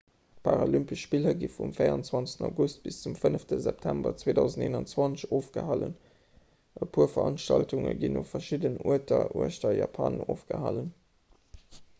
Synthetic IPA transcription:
pʰaʁolympiʃpilɐɡifumfeɪʁɑnt͡swɑnt͡sə̥təna̰ɡust̚b̥ist͡sumfənəftəzɛp̚tʰæmbɐt͡sweːdɑʊzəndeːnɑnt͡swɑnt͡sɕoːfɡ̥əhɑlən | ʔəpʰuːɐfɐɑnʃtɑltuŋəɡinofɐʃidənuətɐʔuəʃtɐjɑːpʰɑ̰ːnoːfɡ̥əhɑlən

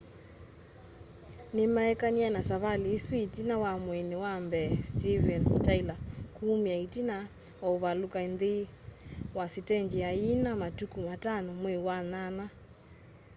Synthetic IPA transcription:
nemaɛkanianasaβaliːsuitinawamwɛnewambɛstivɛntailakuːmiaitina | auβalukainðe | wasitɛnd͡ʒiainamatukumatanɔmwewanana

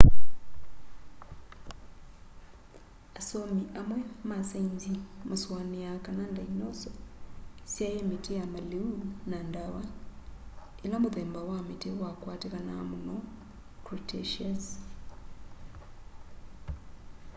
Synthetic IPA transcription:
asomiʔamwemasainzimuswanijakanandainoso | sjajemitijamaliunandawa | eno̞ːmuðeːmbawamitiwakwaːtikanamuno | kɾutʰeʃaz

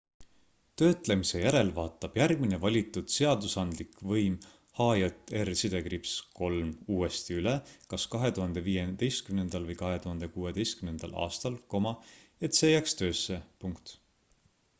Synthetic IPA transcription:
t̪ø̞ːt̪le̞mise̞jæɾe̞lvɑːt̪ːˑɑb̥jærɡ̥mine̞vɑlʲit̪ːˑud̪̥se̞ɑd̪usɑnd̪likvɤjm | hɑːjot̪ˑːersid̪̥e̞kɾipsko̞lmuːe̞st̪iylekɑskɑɦe̞t̪uhɑnd̪̥e̞viːjend̪e̞jst̪kymnend̪̥ɑlvɤjkɑɦe̞t̪uhɑnd̪e̞kuːe̞d̪e̞jst̪̚kymnend̪̥ɑ̰lʔɑ̰ːst̪ɑlko̞mɑe̞t̪se̞jækst̪ø̞ːsːepuŋkt̪

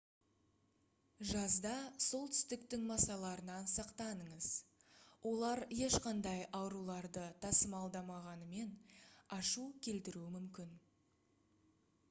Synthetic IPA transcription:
ʒɑzd̪ɑso̞lˠt̪ʰʏ̥st̪ɪkt̪ɪŋmɑsɑlˠɑɾənɑnsɑqt̪ɑnəɴəz̥wʔo̞lˠɑɾje̞ʃqɑnd̪ɑjɑwɾulˠɑɾd̪ət̪ʰɑsəmɑlˠd̪ɑmɑʁɑnəme̞nɑʃukʲʰe̞lt̪ɪɾuɪmʏmkʲɪn

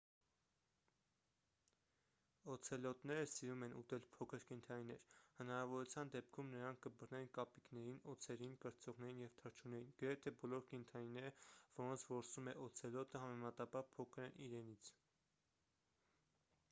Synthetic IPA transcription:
ɔt͡sʰɛlɔt̪nɛɾəsiɾumɛnut̪ɛlpʰɔkʰəɾkɛnt̪ʰɑninɛɾhənɑɾɑvɔɾut͡sʰjɑnd̪ɛpkʰumnəɾɑŋkʰkəbərnɛnkɑpiknɛɾinɔt͡sʰɛɾinkəɾt͡sɔʁnɛɾinjɛvt̪ʰəɾt͡ʃʰunɛɾinɡ̥əɾɛt̪ʰɛbɔlɔɾkɛnt̪ʰɑninɛɾəv̥ɔɾɔnt͡sʰvɔɾsumɛʔɔt͡sʰɛlɔt̪əɦɑmɛmɑt̪ɑbɑɾpʰɔkʰəɾɛnʔiɾɛnit͡sʰ

